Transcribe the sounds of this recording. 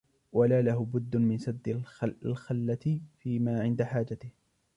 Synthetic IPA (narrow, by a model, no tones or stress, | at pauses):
walaːlahʊbʊd̪ːʊmɪnsad̪ːɪlalxalːat̪ɪfiːmaːʕɪnd̪aħaːd͡ʒat̪ɪh